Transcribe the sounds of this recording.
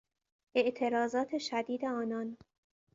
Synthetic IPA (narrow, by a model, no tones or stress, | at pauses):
ʔe̞ʔt̪ʰe̞ɾɒːzɒːt̪ʰe̞ʃæd̪iːd̪e̞ɒːnɒn